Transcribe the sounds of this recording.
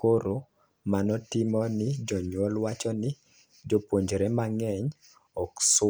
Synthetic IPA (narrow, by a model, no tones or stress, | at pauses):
koɾo | manɔtɪmɔnɪd͡ʒɔɲwɔlwat͡ʃɔnɪ | d͡ʒopwoɲd͡ʒɾɛmaŋɛɲ | ɔks